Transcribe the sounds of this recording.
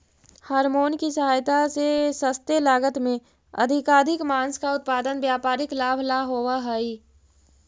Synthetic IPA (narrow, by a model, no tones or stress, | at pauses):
haːɾmoːnkisɐɦaːjt̪asesəst̪elaːɡət̪mẽ | ɐ̰d̪ʱɪkaːd̪ʱɪkmaːnskaʊt̪̚paːd̪ənʋjaːpaːɾɪklaːbʱlaːɦoːʋaɦɛi